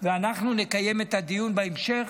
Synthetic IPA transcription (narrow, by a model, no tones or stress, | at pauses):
veanaχnune̞kaje̞met̪ad̪ijunbaemʃe̞χ